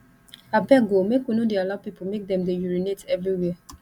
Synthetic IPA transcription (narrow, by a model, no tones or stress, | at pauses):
abɛɡomekonũdealapipʰomek̚dɛ̃mdejuɹinetɛvɹiwɛa